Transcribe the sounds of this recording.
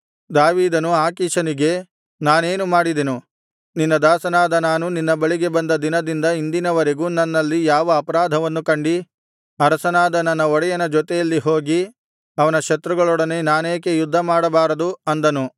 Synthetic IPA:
d̪aːʋiːd̪ɐnuaːkiːʃɐniɡe̞ | naːne̞ːnumaːɽid̪enu | ninːɐd̪aːsɐnaːd̪ɐnaːnuninːɐbɐɭiɡe̞bɐnd̪ɐd̪inɐd̪ind̪ɐind̪inɐʋɐɾeɡuːnɐnːɐlːijaːʋɐːpɐɾaːd̪ʱɐʋɐnːukɐɳɖi | ɐɾɐsɐnaːd̪ɐnːɐnːɐɔɽɛjɐnɐd͡ʒɔt̪ɛjɐlːiɦo̞ːɡi | ɐʋɐnɐʃɐt̪ɾuɡɐɭɔɽɐne̞naːneːkejud̪ʱːɐmaːɽɐbaːɾɐd̪uɐnd̪ɐnu

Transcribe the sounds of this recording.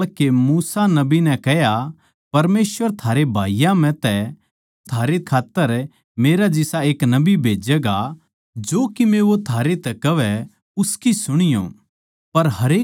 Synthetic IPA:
lkemuːsanɐbinɛ̃kɛɦja | pɐɾmeːsʋəɾt̪ʰaːɾebʱa̰ːijãmɛ̃t̪ɛ | t̪ʰaːɾekʰaːt̪ːəɾ | meːɾad͡ʒɪsaeːknɐbibʱeːd͡ʒɛɡa | d͡ʒoːkimẽʋot̪ʰaːɾet̪ɛkɐʋɛ | ʊskisʊɽ̃ɪjo̰ | pɐɾɦɐɾeː

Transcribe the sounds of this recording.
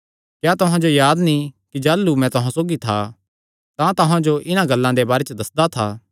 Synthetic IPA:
kjaːt̪ʊɦãd͡ʒojaːd̪nĩkid͡ʒaːlːumɛ̃t̪ʊɦãsoːɡit̪ʰa | t̪ãt̪ʊɦãd͡ʒoʔɪnãɡɐlːãd̪ebaːɾet͡ʃəd̪ɐsd̪at̪ʰaː

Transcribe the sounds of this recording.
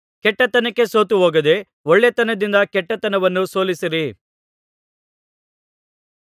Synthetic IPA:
kɛʈːɐt̪ɐnɐkːe̞soːt̪uɦoːɡɐd̪e̞ | oɭːet̪ɐnɐd̪ind̪ɐkɛʈːɐt̪ɐnɐʋɐnːuso̞ːlisiɾi

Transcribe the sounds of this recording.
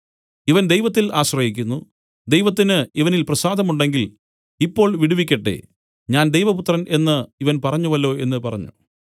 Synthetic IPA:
iʋɐnd̪ejʋɐt̪̬ːilaːɕrɐhikʲːunːu | d̪ejʋɐt̪̬ːinɨiʋɐnilprɐsaːd̪ʱɐmuɳɖe̞ŋɡil | ipːo̞ːɭʋiɽuʋikʲːɐʈːḛ | ɲaːnd̪ejʋɐput̪rɐnʔe̞nːɨiʋɐnpɐrɐɲːuʋɐlːo̞ːe̞nːɨpɐrɐ̰ɲːṵ

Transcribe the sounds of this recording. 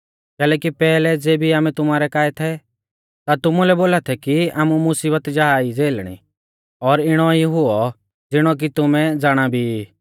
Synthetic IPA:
kɛːlɛːkipɛːlɛd͡zeːbʱiaːmɛt̪ʊmaːɾɛkaːɛt̪ʰɛ | t̪at̪ʊmulɛboːlat̪ʰɛkiaːmumʊsiːbət̪d͡ʒaaːid͡zeːlɽ̃ḭ | ɔːɾɪɽ̃ɔiɦʊɔ | d͡zɪɽ̃ɔk̬it̪ʊmɛd͡zaːɽ̃abʱi

